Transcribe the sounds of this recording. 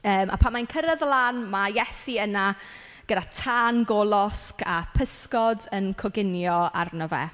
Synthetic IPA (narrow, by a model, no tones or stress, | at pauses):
əːmʔa̰pʰanmajnkʰəɾəðlˠanmajɛsiəna | ɡ̥ədatʰanɡɔlˠɔskapʰəskɔdənkʰɔɡɪnjɔarnɔvɛ̰